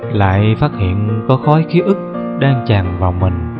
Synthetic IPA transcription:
la̰ː˧˨jfaː˦˥t̚hḭ˧˨ənkɔ˨˦xɔ˨˦jxi˨˦ʔɨ˦˥k̚ | ɗaː˧ŋt͡ɕaː˨˩ŋvaː˨˩wmï˨˩ŋ̟

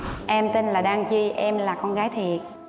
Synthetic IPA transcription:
ʔɛ˧mt̪i˧nlaː˨˩ɗaː˧ŋt͡ɕi˧ʔɛ˧mlaː˨˩kɔ˧nɣaː˨˦jt̪ʰi˨˩ət̚

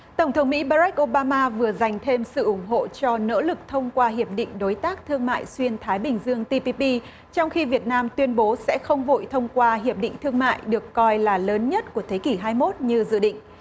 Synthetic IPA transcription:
t̪ə˧˩wŋ͡mt̪ʰə˨˦wŋ͡mmḭ˧˥ɓaː˧za˦˥k̚ʔo˧ɓaː˧maː˧vɨ˨˩əza˨˩jŋ̟t̪ʰe˧msɨ̰˧˨ʔʊ˧˩ŋ͡mɦo̰˧˨t͡ɕɔ˧no̰˧˥lɨ˨˩k̚t̪ʰə˧wŋ͡mkwaː˧ɦi˨˩əp̚ɗḭ˧˨ŋ̟ɗo˨˦jt̪aː˦˥k̚t̪ʰɨ˧əŋma̰ː˧˨jswi˧ənt̪ʰaː˨˦jɓï˨˩ŋ̟zɨ˧əŋt̪i˧pi˧pi˧ | t͡ɕɔ˧wŋ͡mxi˧vi˨˩ət̚naː˧mt̪wi˧ənɓo˨˦sɛ̰˧˥xə˧wŋ͡mvo̰˧˨jt̪ʰə˧wŋ͡mkwaː˧ɦi˨˩əp̚ɗḭ̈˧˨ŋ̟t̪ʰɨ˧əŋma̰ː˧˨jɗɨ˨˩əkːɔ˧jlaː˨˩ləː˨˦nɲə˦˥t̚ku˧˩ət̪ʰe˨˦ki˧˩ɦaː˧jmo˦˥t̚ɲɨ˧zɨ̰˧˨ɗḭ̈˧˨ŋ̟

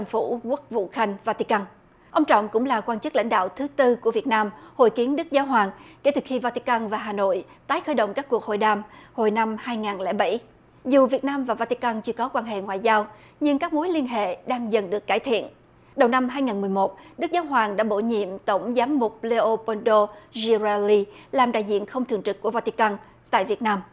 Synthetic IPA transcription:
a˨˧fṵ˧˩ku˦˥k̚vṵ˧˨xa˧jŋ̟vaː˧t̪i˧ka˧n | ʔə˧wŋ͡mt͡ɕɔ̰˧˨wŋ͡mkʊ̰˧˥ŋ͡mlaː˨˩kwaː˧nt͡ɕɨ˦˥k̚la̰˧˥jŋ̟ɗa̰ː˧˨wt̪ʰɨ˨˦t̪ɨ˧ku˧˩əvi˨˩ət̚naː˧mho̰˧˨jki˨˦ənɗɨ˦˥k̚zaː˨˦wɦwaː˨˩ŋke˧˩t̪ɨ˨˩xi˧vaː˧t̪i˧ka˧nvaː˨˩ɦaː˨˩no̰˧˨j | t̪aː˨˦jxəː˧˩jɗə̰˧˨wŋ͡mkaː˦˥kːu˨˩ək̚ho̰˧˨jɗaː˧mho˨˩jna˧mhaː˧jŋaː˨˩nlɛ̰ː˧˩ɓa˧˩j | zu˨˩vi˨˩ət̚naː˧mvaː˨˩vaː˧t̪i˧ka˧nt͡ɕɨ˧əkɔ˨˦kwaː˧nɦḛ˧˨ŋwa̰ː˧˨jzaː˧w | ɲɨ˧ŋkaː˦˥k̚mu˨˦jli˧ənɦḛ˧˨ɗaː˧ŋzə˨˩nɗɨ˨˩əkːaː˧˩jt̪ʰḭ˧˨ən | ɗə˨˩wna˧mɦaː˧jŋaː˨˩nmɨ˨˩əjmo˨˩t̚ɗɨ˦˥k̚zaː˨˦wɦwaː˨˩ŋɗa̰ː˧˥ɓo̰˧˩ɲḭ˧˨əmt̪ə˧˩wŋ͡mzaː˨˦mːʊ˨˩k͡p̚le˧ʔo˧pɔ˧nɗo˧zi˧za˧li˧laː˨˩mɗa̰ː˧˨jzḭ˧˨ənxə˧wŋ͡mt̪ʰɨ˨˩əŋt͡ɕɨ˨˩k̚ku˧˩əvaː˧t̪i˧ka˧n | t̪a̰ː˧˨jvi˨˩ət̚naː˧m

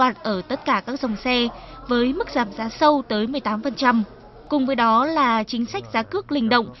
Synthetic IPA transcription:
aː˨˩t̚ʔəː˧˩t̪ə˦˥t̚kaː˧˩kaː˦˥k̚zə˨˩wŋ͡msɛ˧vəː˨˦jmɨ˦˥k̚zaː˨˩m̚zaː˨˦sə˧wt̪əː˨˦jmɨ˨˩əjt̪aː˨˦mfə˨˩nt͡ɕa˧m | kʊ˨˩ŋ͡mvəː˨˦jɗɔ˨˦laː˨˩t͡ɕï˨˦ŋ̟sa˦˥jk̚zaː˨˦kɨ˦˥ək̚lï˧ŋ̟ɗə̰˧˨wŋ͡m

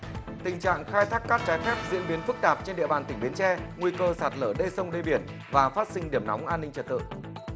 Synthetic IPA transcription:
t̪ï˨˩ŋ̟t͡ɕa̰ː˧˨ŋxaː˧jt̪ʰaː˦˥kːaː˦˥k̚t͡ɕaː˨˦jfɛ˦˥p̚zḭ˧˥ənɓi˨˦ənfɨ˦˥k̚t̪aː˨˩p̚t͡ɕe˧nɗḭ˧əɓaː˨˩nt̪ï˧˩ŋɓi˨˦ənt͡ɕɛ˧ŋwi˧kəː˧saː˨˩t̚ləː˧˩ɗe˧sə˧wŋ͡mɗe˧ɓi˧˩ən | vaː˨˩faː˦˥t̚sï˧ŋɗi˧˩əmna˨˦wŋ͡mʔaː˧nːi˧ŋt͡ɕə˨˩t̚t̪ɨ̰˧˨

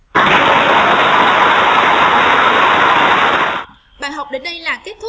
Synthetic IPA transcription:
ɓaː˧˨jɦwk͡p̚ɗe˨˦nɗə˧jlaː˨˩ke˦˥t̚t̪ʰ

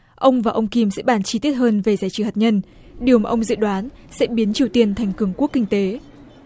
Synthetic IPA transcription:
ʔə˧wŋ͡mvaː˨˩ʔə˧wŋ͡mki˧msɛ̰˧˥ɓaː˧˩nt͡ɕi˧t̪i˦˥ət̚həː˧nve˨˩zaː˨˦jt͡ɕɨ˧˩haː˨˩t̚ɲə˧n | ɗi˨˩əwmaː˨˩ʔə˧ŋ͡mzɨ̰˧˥ɗwaː˨˦n | sɛ̰˧˥ɓi˨˦ənt͡ɕi˨˩əwt̪i˧ənt̪ʰɛ˨˩jŋ̟kɨ˨˩əŋku˦˥əkːï˧ŋ̟t̪e˨˦

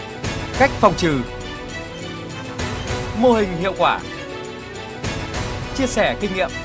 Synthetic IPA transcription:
ka˦˥jk̟̚fa˨˩wŋ͡mt͡ɕɨ˨˩ | mo˧hï˨˩ŋ̟hḭ˧˨əwkwaː˧˩ | t͡ɕi˧əsɛ˧˩kï˧ŋ̟ŋḭ˧˨əm

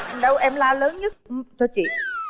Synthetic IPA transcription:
ɗə˧wʔɛ˧mlaː˧ləː˨˦nɲə˦˥t̚ʔɨ˧˩t̪ʰɨ˧ət͡ɕḭ˧˨

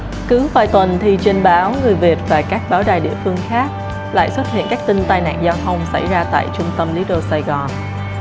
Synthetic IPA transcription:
kɨ˨˦vaː˨˩jt̪wə˨˩nt̪ʰi˨˩t͡ɕe˧nɓaː˨˦wŋɨ˨˩əjvi˨˩ət̚vaː˨˩kaː˦˥k̚ɓaː˨˦wɗaː˨˩jɗḭ˧˨əfɨ˧əŋxaː˦˥k̚ | la̰ː˧˨jswə˦˥t̚hḭ˧˨ənkaː˦˥k̚t̪ï˧ŋt̪aː˧jna̰ː˧˨ŋzaː˧wt̪ʰə˧wŋ͡msa˧˩jzaː˧t̪a̰ː˧˨jt͡ɕʊ˧ŋ͡mt̪ə˧mli˨˦ɗo˧saː˧jɣɔ˨˩n

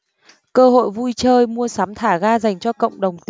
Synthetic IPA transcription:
kəː˧ho̰˧˨jvu˧jt͡ɕəː˧jmu˧əsaː˨˦mt̪ʰaː˧˩ɣaː˧za˨˩jŋ̟t͡ɕɔ˧kə̰˧˨wŋ͡mɗə˨˩wŋ͡mt̪

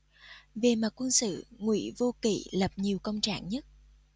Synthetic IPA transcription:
ve˨˩ma˨˩t̚kwə˧nsɨ̰˧˨ŋwḭ˧˥vo˧kḭ˧˩˨lə˨˩p̚ɲi˨˩əwkə̰˧wŋ͡mt͡ɕa̰ː˧˩˨ŋɲə˦˥t̚

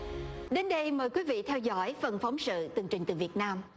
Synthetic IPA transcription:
ɗe˨˦nɗə˧jməː˨˩jkwi˨˦vḭ˧˨t̪ʰɛ˧wzɔ̰˧˥jfə˨˩nfa˨˦wŋ͡msɨ̰˧˨t̪ɨ˨˩ŋt͡ɕï˨˩ŋ̟t̪ɨ˨˩vi˨˩ət̚naː˧m

